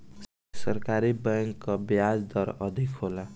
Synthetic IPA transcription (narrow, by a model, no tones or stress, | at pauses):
sʌɾkaɾibʌŋkːʌbjad͡zd̪ʌɾʌd̪ʱikɦola